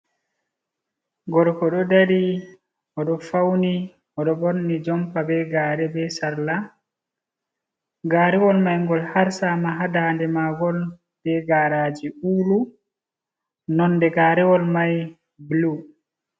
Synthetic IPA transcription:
ɡɔɾkɔɗɔdaɾi | ʔɔɗɔfawni | ʔɔɗɔbɔɾnid͡ʒɔmpabɛɡaːɾɛbɛsaɾla | ɡaːɾɛwɔlmajŋɡɔlhaɾsamaɦadandɛmaɡɔl | d̥ɛɡaɾad͡ʒiuːlu | nɔnːdɛɡaːɾɛwɔlmaj | blu

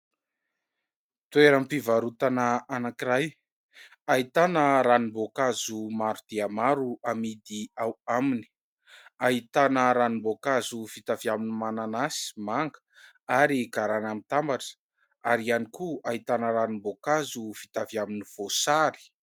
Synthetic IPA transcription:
t̪weɾampivaɾut̪anaanakiɾaj | ait̪anəɾanimbokazumaɾud̪̥eamaɾuamid̪iawamini̥ | ait̪anəɾanimbokazufit̪aviaminimananasi̥maŋɡə̥ | aɾiɡaɾanamit̪ambaʈ͡ʂə̥ | aɾianikuaɦit̪anəɾanimbokazufit̪aviaminiv̥osaɾi̥

